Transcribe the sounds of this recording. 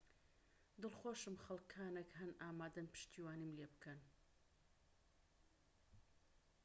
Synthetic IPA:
d̪ɨlˠχoːʃɨmχɐlˠkʰːaːnekɦɐnʔaːmaːd̪ɐnpɨ̥ʃt̪ʰiːwaːnimlebɨkʰɐn

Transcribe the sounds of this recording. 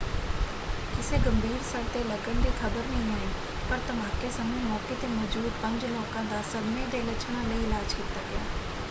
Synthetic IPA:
kɪseːɡəmbʱiːɾsəɾ̚t̪eːləɡənd̪eːkʰəbəɾnəɦĩːaːẽː | pəɾt̪əmãːkeːsəmẽːmɔːkeːt̪eːmɔːd͡ʒuːd̪pə̃ɲd͡ʒlɔːkãːd̪aːsəbmẽːd̪eːɪlət͡ʃʰñãːləiːɪlaːd͡ʒkiːt̪aːɡɪaː

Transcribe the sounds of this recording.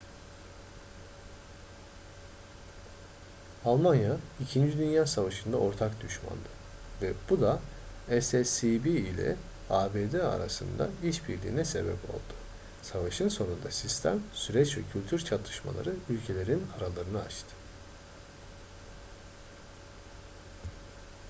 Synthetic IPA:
alˠmanjaicʰind͡ʒid̪ynjaːsavaʃɯnd̪ao̞ɾt̪ʰakd̪yʃma̰nd̪ɯ | vɛb̥ud̪aɛsɛsibiːlʲɛ̰ | aːbeːd̪ea̰ɾa̰sɯ̰nd̪a̰iʃbiɾlʲḭːnɛse̞̰bɛ̰pʰo̞̰lˠd̪̥ʊ̥ | savaʃɯnso̞nund̪asist̪ʰæ̰msyɾɛt͡ʃvɛcʰylʲt̪ʰyɾt͡ʃʰat̪ʰɯ̥ʃma̰lˠa̰ɾɯylʲcʰe̞lʲe̞ɾinaɾalˠaɾɯnɯat͡ʃt̪ʰɯ̥

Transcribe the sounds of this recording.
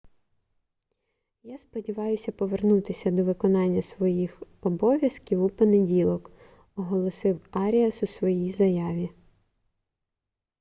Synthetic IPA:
jaspɔdʲiʋɑjʊsʲɐpɔʋernut̪ɪsʲɐd̪ɔʋɪkɔnɑnʲːɐsʋɔjixɔbɔʋʲjɐskʲiwupɔnedʲilˠɔk | ɔɦɔlˠɔsɪwɑɾʲiɐsusʋɔjijzɐjɑʋʲi

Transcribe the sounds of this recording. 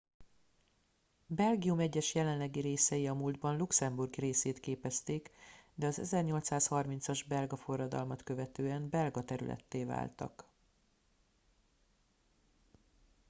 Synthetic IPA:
bɛlɡiumɛɟːɛʃjɛlɛnlɛɡiɾeːsɛjiɒmuːld̪bɒnluksɛmburɡreːseːt̪keːpɛst̪eːkd̪ɛɒzɛ̰zɛrɲo̞lt̪saːshɒrmint̪sɒʒbɛlɡɒfo̞rːɒd̪ɒ̰lmɒt̪kø̞vɛt̪øːɛnbɛlɡɒt̪ɛɾy̰lʔɛ̰t̪ːeːva̰ːlt̪ɒ̰k

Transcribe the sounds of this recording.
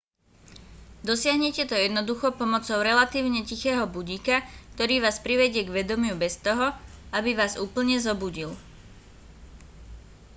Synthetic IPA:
d̪ɔsɪaɦɲɛcɛt̪ɔjɛd̪nɔd̪uxɔpɔmɔt͡sɔʊɾɛlat̪iːʊɲɛcixɛːɦɔbuɟiːkakt̪ɔɾiːʋaːspɾiʋɛɟɪɛɡʋɛd̪ɔmɪubɛst̪ɔɦɔabiʋaːzuːpl̩ɲɛzɔbuɟil

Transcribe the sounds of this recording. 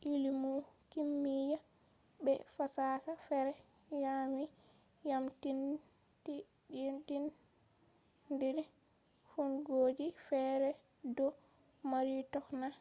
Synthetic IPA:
ʔilimukimːija | bɛ̰fasakafɛɾɛ | jami | jamtin | ti | ntin | diɾ | funɡoːd͡ʒifɛɾɛ | dɔ | maɾitɔkna

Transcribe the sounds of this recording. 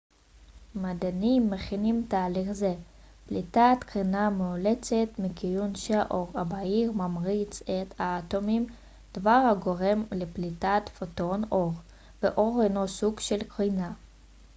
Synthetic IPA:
mad̪animːeχinimtaːliχze | plitat̪kʁinameolet͡set̪mikijunʃeʔoʁabaiʁmamʁit͡set̪aːtomim | d̪̥vaʁhaɡo̞ʁe̞mleplitat̪foto̞noʁ | veʔo̞ʁhenosuɡʃelkʁina

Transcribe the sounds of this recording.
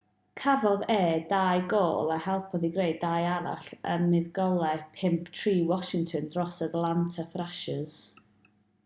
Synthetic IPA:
kʰavɔðɛːdajɡoːlˠahɛlˠpʰɔðiɡreɨdajaɾa̰ɬə̰nmɪðɡɔlˠɛpʰɪmpʰtʰriːwɔʃɪŋtʰɔndrɔsadlˠantʰafraʃəz̥

